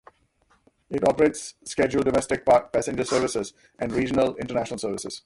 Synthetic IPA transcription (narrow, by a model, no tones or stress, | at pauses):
ɪʈɔːpəɾeːʈsːked͡ʒulɖɔmɛsʈɪk̚pːpæsɛ̃nd͡ʒəsəːɾʋɪsɪz | ʔæ̃nɖɾiːd͡ʒənəlɪ̃ɳʈəɾnæʃnəlsəːɾʋɪsɪ̰z̥